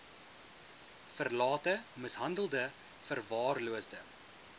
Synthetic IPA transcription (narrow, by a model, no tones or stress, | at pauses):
fərlɑːtəməsɦɐndəlˠdə | fərvɑːrluəsdə